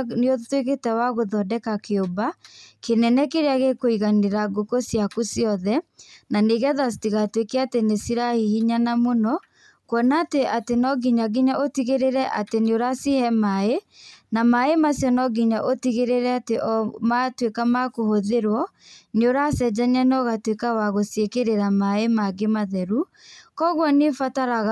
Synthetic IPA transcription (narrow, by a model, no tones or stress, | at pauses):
neotweketɛwaɣoðɔdɛkakeobakenɛnɛkeɾeaɣekoiɣaneɾaɡokosjakusjɔðɛnaneɣɛðasi̥tiɣatwekeatenesiɾahihiɲanamonɔ | kwɔnaːteʔatenɔɡiɲaɡiɲaʔotiɣeɾeɾɛʔateneoɾasihɛmaenamaemasjɔnɔɡiɲaʔotiɣeɾeɾɛateʔmatwekamakohoðeɾwɔ | neoɾasɛd͡ʒaɲanɔɣatwekawaɣosjekeɾeɾamaemaɡemaðɛɾu | kɔɣwɔnefataɾaɣa